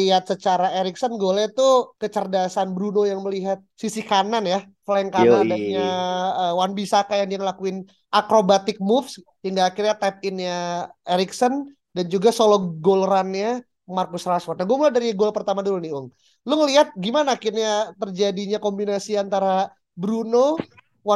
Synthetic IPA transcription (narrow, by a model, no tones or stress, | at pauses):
iɦat̪̚sət͡ʃaɾaeɾiksənɡolɛt̪ukət͡ʃərdasanbɾunojaŋməliɦat̪̚sisikananja | flaɛŋkanadaɲaəwanbisakajaŋdiaŋəlakuɪn | ʔakɾobat̪ɪk̚mufs | hiŋɡaːkɪrɲat̪ɛp̪̚ɪnjaeɾiksən | dand͡ʒuɡasoloɡolɾanɲa | markʊsraswɔrt̪̚naɡuamuladaɾiɡolapərt̪amadulʊnɪʊŋ | lʊŋəliɦat̪̚ɡimanaːkɪrɲat̪ərd͡ʒadiɲakombinasiant̪aɾa | bɾuno